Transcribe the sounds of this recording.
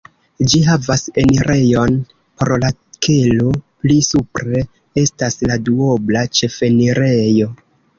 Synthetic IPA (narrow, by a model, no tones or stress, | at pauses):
d͡ʒiɦavase̞niɾʔe̞jo̞n | pɾolakʰeloplisupɾe̞ | e̞stasladuo̞blat͡ʃe̞fe̞niɾejo̞